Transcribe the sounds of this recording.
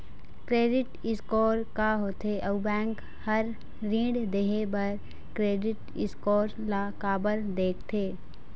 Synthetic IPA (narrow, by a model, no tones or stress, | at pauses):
kɾeːɖɪʈɪskɔːɾkaɦoːt̪eʔɐbɛ̃ːŋk | həɾː | ĩːɖd̪eɦebəɾ | kɾeːɖɪʈ | ɪskɔːɾ | lakaːbəɾd̪eːk̚ʰt̪ʰeː